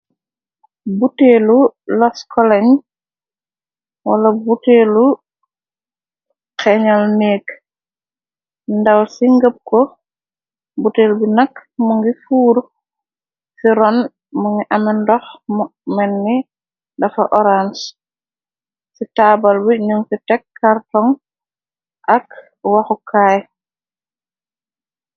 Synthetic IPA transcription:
butelulɔskɔlɛɲ | wɐlɐbuteːlu | kɛɲalnɛːk | ndɐwsiŋɡəp̚kɔ | buteːlbinɐkmuŋɡifuːɾ | siɾɔn | muŋiʔɐmɛndɔxmmɛnːi | dɐfaʔɔɾans | sitaːbalbiɲuŋsitɛkʰːaɾtɔŋ | ʔɐk | waxukʰaːj

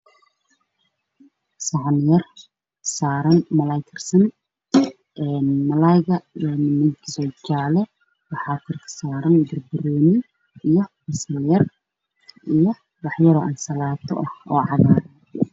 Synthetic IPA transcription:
sɑʕnjɐr | saːɾɐnmɐlajt̪ʰɐrsɐn | ɛːnmɐlajɣɐɛnmɪd̪sɔd͡ʒaːlɛ | wɑħɑːkʰʊrkʰɐ̥saːɾɐnɡɐrbɪɾɔːnɪ | ijɔbɐsɐljɐr | ʔijɔ | wɑħjɐɾɔʔɐnsɐlaːt̪ʰɔ̰ʔɐhɔːʕɑβaːɾɐ

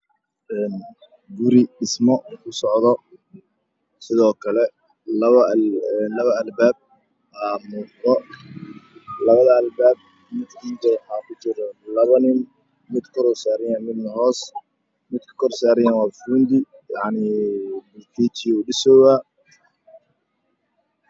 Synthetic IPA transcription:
ʔɛːn | ɡʊɾɪɖɪsmɔkʰʊsɔʕðɔ | sɪðɔːkʰɐlɛ | lɐβɐɛlɐβɐɐlbaːb̚ | aːmuːd̪ɔ | lɐβɐðɐːlbaːb̚ | mɪd̪kʰiːnd̪ɐwɑħɑːkʰʊt͡ʃɪɾɔlɐβɐnɪn | mɪd̪kʰɔɾɔːsaːɾɪjaːnmɪd̪mɐɦɔːs | mɪd̪kʰɐ̥kʰɔrsaːɾɪjanwɑːfuːnd̪ɪ | jɑʕnibʊrkʰiːt͡ʃiuːɖɪsɔːwaː

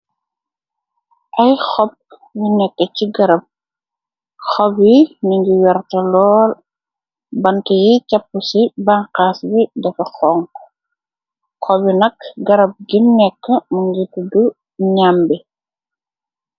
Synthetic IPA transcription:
ʔɐjxɔp̚ | jinɛkːəciɡɐɾɐp̚ | xɔbiniŋɡiwɛɾtɐlɔːl | bɐntɐjicapːusibaŋqaːsbidɐfɐxɔŋ | xɔbinɐkɡɐɾɐp̚ɡimnɛkːəmuŋɡitudu | ɲambi

